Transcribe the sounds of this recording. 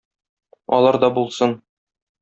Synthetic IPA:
ɒ̰lˠɑɾd̪ɒbulˠsɤn

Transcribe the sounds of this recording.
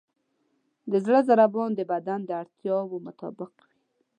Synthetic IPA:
d̪əzɽəzaɾabɑnd̪əbad̪and̪əaɽt̪jɑwomʊt̪ɑ̰bɪqwi

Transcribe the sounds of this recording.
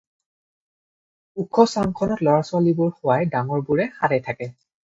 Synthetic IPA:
ukʰɔsaŋkʰɔnɔtlɔɹasʊalibʊɹxʊwajdaŋɔɹbuɹɛxadɛjtʰakɛ

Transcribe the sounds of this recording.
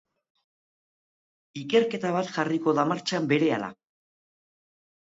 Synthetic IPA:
ike̞ɾke̞t̪aβ̞at̪xariko̞ðamaɾt͡ʃambe̞ɾe̞ala̰

